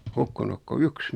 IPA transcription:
hukːunuk ko yks

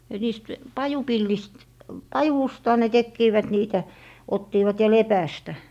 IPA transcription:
et niːst pɑjupilːist pɑjustɑ ne tekːiːʋæt niːtæ otːiːʋɑt jɑ lepæstæ

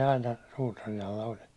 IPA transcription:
ɑinɑ suːtɑrin ɑlːɑ olʲ

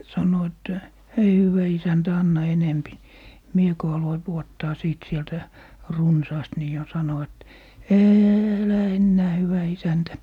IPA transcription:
sɑno etːæ hei hywæ isæntæ ɑnːɑ enempi ni mie ko ɑloi puotːɑː siˑt sieltæ runsɑːst ni jo sɑno et eːelæ enːæː hyʋæ isæntæ

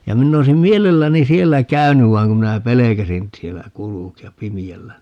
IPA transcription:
jɑ minː oisim mielelːæni sielːæ kæynyʋ ʋɑiŋ kum minæ pelekæsin sielːæ kulukiɑp pimiælːæ

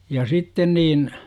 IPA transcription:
jɑ sitːen niːn

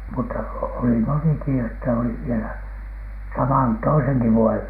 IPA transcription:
mutːɑ oli moniki etːæ oli ʋielæ sɑmɑn toiseŋki ʋuojeʋ

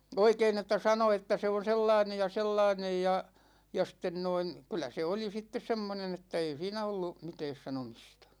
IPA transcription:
oikeːn etːæ sɑno etːæ se on̞ selːɑinej jɑ selːɑinej jɑ jɑ sten noin̞ kylˑæ se oli sitːes semːonen etːæ ei siːnæ olːu mitɛːs sɑnomistɑ̥

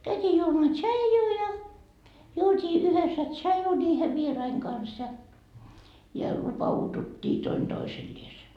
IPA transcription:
kæytiː juomɑː tʃɑijuː jɑ juotʲiː yhesːæ tʃɑju nʲiːhe ʋierɑiŋ kɑns jɑ jɑ lupɑututʲːiː toin d̥oiselːiese

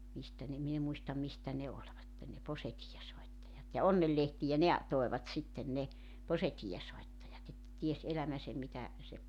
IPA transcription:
mistæ ne min e muistɑm mistæ ne olʲʋɑtːen ne posetiːesoitːɑjɑt jɑ onːelːehtijæ ne ɑ toeʋɑt sitːen ne posetiːesoitːɑjɑt etːæ ties elæmæsem mitæ se

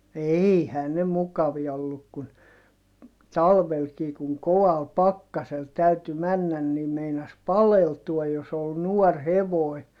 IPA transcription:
eihæː ne mukɑʋiɑ olːuk kun tɑlʋelkiː kuŋ koʋɑl pɑkːɑsel tæyty mænːæn nim meinɑs pɑleltuɑj jos ol nuɔr heʋoˑi̯

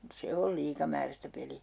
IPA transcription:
se ol liːkɑmæːræstæ peliæ

